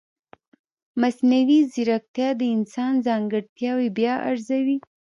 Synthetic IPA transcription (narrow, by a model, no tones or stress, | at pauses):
masnawiziɾak̚t̪jɑd̪əɪnsɑnzɑŋɡəɽt̪jɑwebjɑʔa̰ɾzawi